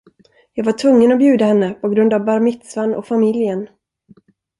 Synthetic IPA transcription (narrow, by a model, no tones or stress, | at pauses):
jɑːɡvaʈʰvɵŋːənɔbjʉ̟ːd̪ahɛnːəpʰɔɡɾɵnd̪avbaɾmɪt̪svanɔ̰kfamɪljən